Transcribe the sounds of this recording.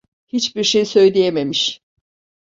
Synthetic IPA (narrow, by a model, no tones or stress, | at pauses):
hit͡ʃbiɾʃejsø̞jlʲejeme̞miʃ